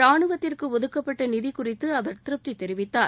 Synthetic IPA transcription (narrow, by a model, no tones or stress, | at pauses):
ɾaːɳɯʋɐt̪ːɪrkɯɔðɯkːɐpːɐʈːɐnɪðikʊrɪt̪ːɯɐʋɐɾt̪ɪɾɯp̚t̪it̪ːɛɾɪʋɪt̪ːaː